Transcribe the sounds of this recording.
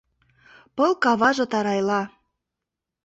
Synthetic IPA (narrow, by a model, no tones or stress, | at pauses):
pɤlˠkɑβɑʒɤ̆t̪ɑɾɑjlɑ